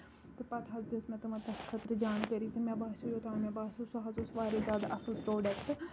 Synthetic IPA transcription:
t̪epɐt̪ʰɐzd̪esmɛ̃ːt̪ɐmãːt̪ɐskʰət̪ɾd͡ʒaːnkəɾiːt̪emɛ̃ːbaːʃujoːt̪ãːmɛ̃ːbaːsuːsoɦazʊsʋaːɾeːzaːd̪aʔɐsəlpɾoːɖəkʈ

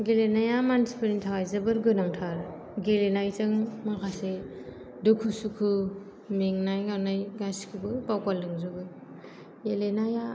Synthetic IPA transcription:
ɡelenajamansi̥pɯnintʰaŋajzɯbɯɾɡɯnaŋtʰaɾ | ɡelenajzɯŋmakʰase | dukʰusukʰu | meŋnajɡawnajɡaskʰubɯpawkalːɯŋzɯbɯɾ | elenaja

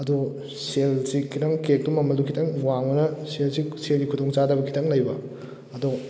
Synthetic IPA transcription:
ɐdu | selsikʰitʰɐŋkek̚tumɐmɐlukʰitʰɐŋwaŋɐnɐselsiselɡikʰutoŋt͡ʃadɐbɐkʰi̥tʰɐŋlɐjbɐ | ɐdu

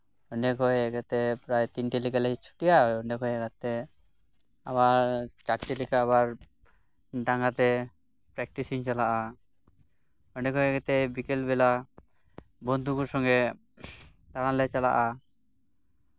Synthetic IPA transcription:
ɔnɛkɦɔjɛɡɛt̪ɛpɾajt̪inʈilikalɛit͡ʃʰu̥ʈijaɔnɛkɦɔjɛɡat̪ɛ | a̰baɾt͡ʃaɾʈilikaːβaɾ | ɖaŋɡat̪ɛ | pɾɛk̚ʈisiŋt͡ʃalaʔa | ɔnɛkɦɔjɛɡɛt̪ɛbikɛlbɛla | bɔnd̪ʱukuɾsɔŋɡɛ | t̪aɽ̃ãlɛt͡ʃala̰ʔa

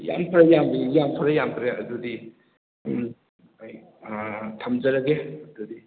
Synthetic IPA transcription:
ja̰mpʰaɾajambɐjampʰaɾɐjamkʰɾeɐ̰dudi | j | tʰamzɐɾɐɡeɐdudi

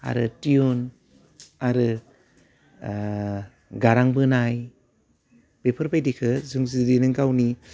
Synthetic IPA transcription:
a̰ɾɯtiun | aɾɯ | ɡaɾaŋbɯnaj | bepʰəɾbajdikʰɯzuŋzidinɯŋkawni

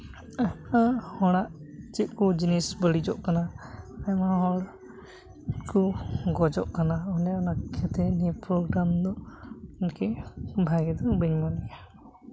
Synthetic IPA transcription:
amahɔɽ̃aʔt͡ʃit̚kɔd͡ʒinisbəɽid͡ʒɔʔkanaajmaɦɔɽ | kɔɡɔd͡ʒɔʔkanaɔnɛɔnakʰɛt̪ɛnipɾɔɡɾamd̪ɔɔnkɛbʱajɡɛd̪ɔbəɲmɔnija

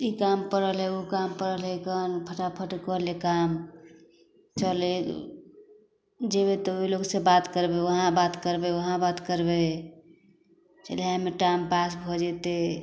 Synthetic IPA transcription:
ikampəɾəlɦɛokampəɾəlɦɛkənpʰəʈapʰəʈkəlekam | t͡ʃəle | d͡ʒebet̪əiloɡsebat̪kəɾbeʋəɦãbat̪kəɾbeʋəɦãbat̪kəɾbe | t͡ʃəleɦãmeʈampasbʱod͡ʒet̪e

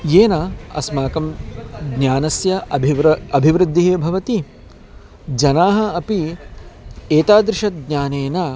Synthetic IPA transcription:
jeːnɐɐ̰smaːkɐmɡɲaːnɐsjɐ | ɐbʱiʋɾɨd̪ʱːiɦeːbʱɐʋɐt̪i | d͡ʒɐnaːɦɐ̆ɐpi | eːt̪aːd̪ɾɪʃɐt̪̚ɡɲaːneːnɐ

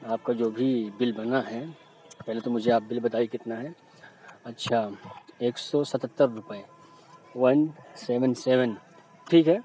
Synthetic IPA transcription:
aːp̚kad͡ʒoːbʱibɪlbɐnaɦɛ | pɛɦlet̪omʊd͡ʒʱeaːp̚bɪlbɐt̪aːikɪt̪naɦɛ | ɐtːʃʰaeːksɔsɐt̪ət̪ːəɾːʊpəe | ʋɐnseːʋənseːʋən | ʈʰiːkɦɛː

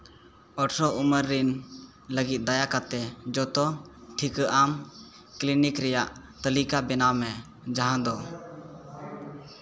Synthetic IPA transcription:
ɔʈsɔʔuməɾːin | ləɡit̪̚ˀd̪ajakat̪ɛd͡ʒɔt̪ɔʈʰikəʔam | klinikɾɛjaʔ | t̪əlikabɛnawmɛ | d͡ʒaɦãd̪ɔ

